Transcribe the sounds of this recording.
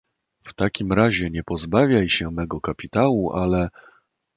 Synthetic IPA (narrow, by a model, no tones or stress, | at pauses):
ft̪akʲimɾaʑɛɲɛpɔzbavʲjajɕɛmɛɡɔkapʲit̪awuʔalɛ